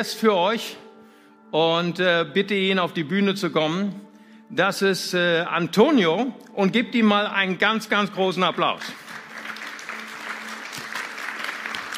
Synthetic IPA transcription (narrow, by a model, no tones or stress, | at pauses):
ɛstfyːɐɔʏç | ʔʊntːbɪtəiːnaʊfd̥iːbyːnət͡sukɔmən | d̥asɪstɛʔa̰ntʰoːnjoʔʊnt̚ɡ̥iːp̚tiːnmaːlʔa̰ɪnənɡant͡sɡ̥ant͡sɡ̥ʁoːsn̩apla̰ʊs